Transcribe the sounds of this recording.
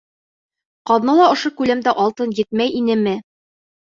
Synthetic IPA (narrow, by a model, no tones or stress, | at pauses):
qɒðnɤlˠɑŏʃokʉlæmd̪æʔɒlˠt̪ɤnjɘt̪̚mæjinɘmɘ